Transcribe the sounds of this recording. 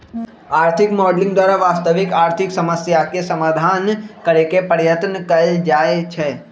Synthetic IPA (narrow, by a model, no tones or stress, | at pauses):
aːɾt̪ʰɪkmɔːɖlɪ̃ŋɡd̪waːɾaʋaːst̪əʋɪkaːɾt̪ʰɪksəməsjakesɐmaːd̪ʱaːnkəɾekepəɾjət̪nəkɐɾed͡ʒaːet͡ʃʰɛː